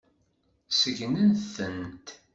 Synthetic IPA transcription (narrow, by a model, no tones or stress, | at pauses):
səʝnənθənt̪